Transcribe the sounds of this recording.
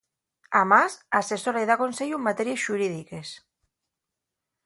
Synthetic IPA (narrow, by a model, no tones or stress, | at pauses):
amasase̞soɾajðako̞nseʎumːat̪eɾiesʃuɾið̞ike̞s